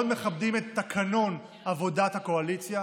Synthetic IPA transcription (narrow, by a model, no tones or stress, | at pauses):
dme̞χabdimetːakʰano̞n | avo̞dathako̞alit͡sja